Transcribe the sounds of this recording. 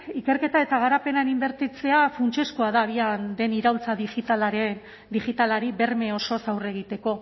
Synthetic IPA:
ike̞ɾke̞t̪ae̞t̪aɣaɾape̞nanimbe̞ɾt̪it͡se̞afunt͡ʃe̞skuaðaːβiand̪e̞niɾawlt͡saðixit̪alaɾe | d̪ixit̪alaɾiβe̞rme̞o̞so̞sawre̞ɣ̞it̪e̞ko̞

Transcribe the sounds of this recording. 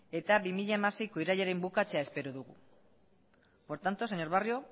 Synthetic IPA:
e̞t̪abimiʎaemase̞jko̞iɾaʎaɾe̞mbukat͡se̞ae̞spe̞ɾuðuɣu | po̞ɾt̪ant̪o̞seɲo̞ɾβario̞

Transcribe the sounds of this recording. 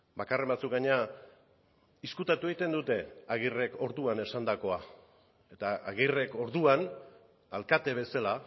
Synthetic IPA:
bakare̞mbat͡sukɡaɲea | iskut̪at̪ue̞it̪e̞nd̪ut̪e̞aɣ̞ire̞ko̞ɾðuane̞sand̪ako̞a | e̞t̪aaɣire̞ko̞ɾðuan | alkat̪e̞βe̞sala

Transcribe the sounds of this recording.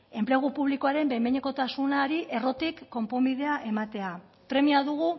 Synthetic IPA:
e̞mpleɣ̞upuβ̞likoaɾe̞mbejmeɲeko̞t̪asunaɾiʔe̞ro̞t̪ikːo̞mpo̞mbiðe̞aʔe̞mat̪e̞a | pɾe̞miaðuɣ̞u

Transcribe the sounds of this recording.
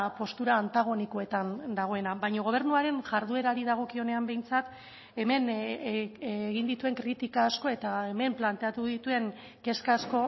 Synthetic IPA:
po̞st̪uɾaːnt̪aɣ̞o̞niko̞e̞t̪and̪aɣ̞o̞e̞nabajɲo̞ɣo̞β̞e̞ɾnuaɾe̞nʝaɾðue̞ɾaɾiðaɣ̞o̞kio̞ne̞ambe̞jnt͡sat̪ | e̞me̞n | ɣind̪it̪ue̞ŋkɾit̪ikaːsko̞e̞t̪aeme̞mplant̪e̞at̪uðit̪ue̞ŋ | ke̞skasko̞

